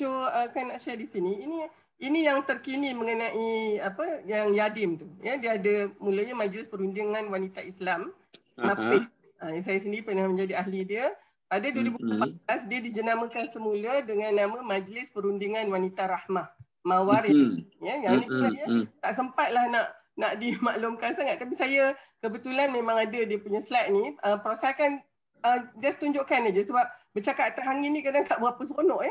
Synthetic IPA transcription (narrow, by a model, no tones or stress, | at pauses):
tuəsajanaʔʃɛdisiniːni | inijaŋt̪ərkiniməŋənãʔiapəjaŋjadɪmt̪ujədiəadəmuləɲamad͡ʒlɪspəɾundiŋãnwanit̪aislam | naɪ | əjas̬ajas̬əndiɾipənahmə̃ɲd͡ʒadiaɦlidiə | padaduəɾibupat̪̚blasdiədid͡ʒənamə̃kansəmulədəŋanːamə̃mad͡ʒlɪspəɾundiŋanwanit̪aɾahmah | mãwaɾɪjəjaŋniəajət̪aʔsəmpat̪̚lahnaʔ | naʔdimaʔlumkansaŋat̪̚ːapisajəkəbət̪ulanmẽmãŋadadiəpuɲəsəlat̪̚niəpəɾasalkan | əd͡ʒast̪uɲd͡ʒʊʔkanad͡ʒəsəbap̚bət͡ʃakat̪t̪aɦaŋinikadaŋt̪aʔbapəs̬konɔ̃ʔjə